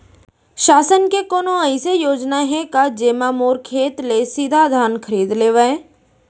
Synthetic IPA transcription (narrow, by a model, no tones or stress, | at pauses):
ʃaːsənkekoːnoɐɪsejoːd͡ʒnaɦɛ̃kad͡ʒeːmaːmoːɾkʰeːt̪lesiːd̪ʱad̪ʱaːnkʰəɾiːd̪leːʋəẽ